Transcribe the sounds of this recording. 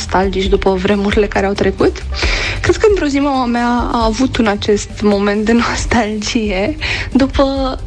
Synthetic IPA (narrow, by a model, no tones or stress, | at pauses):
st̪ald͡ʒit͡ʃʲd̪upəvɾe̞muɾile̞kaɾeawt̪ɾe̞kut̪kɾe̞d̪̚kəɨnt̪ɾo̞zimaameaa̰ːvut̪unat͡ʃe̞st̪mo̞ment̪̚d̪e̞no̞st̪ald͡ʒije̞d̪upə